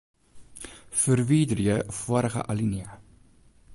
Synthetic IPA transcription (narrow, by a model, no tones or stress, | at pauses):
fəɾviːdɾiəfəɾəχə̰ʔɐliniə